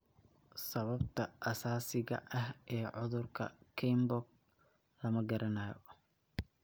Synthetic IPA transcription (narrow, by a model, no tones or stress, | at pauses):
sɐβɐbt̪ʰɐʔɐsaːsɪɣɐ̰ʔɐhʔɛːʕʊðʊrkʰɐ̰kʰɛjmbɔɡ̚ | lɐmɐɡɐɾʔɐnaːjɔ̰